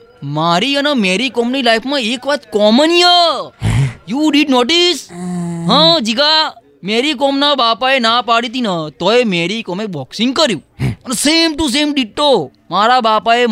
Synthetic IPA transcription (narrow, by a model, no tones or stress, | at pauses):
maɾiənemeɾikɔmnilajpʰmãekʋat̪kɔmənijə | juɖiɖnoʈisɦãd͡ʒiɡa | meɾikɔmnabapaenapaɽit̪̬inət̪oemeɾikɔmebɔksĩŋɡ̚kəɾjũənesemʈus̬emɖiʈːo | maɾabapae